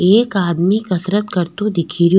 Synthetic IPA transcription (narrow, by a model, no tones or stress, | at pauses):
eːkaːd̪mikɐsɾət̪kɐɾt̪ũd̪ɪkʰiːɾ